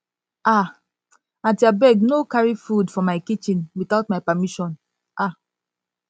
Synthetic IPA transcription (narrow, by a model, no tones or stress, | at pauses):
a | atiabɛɡnokaɹifudfɔmaɪkit͡ʃĩnwitaʊtmaɪpamiʃɔ̃n | ʔa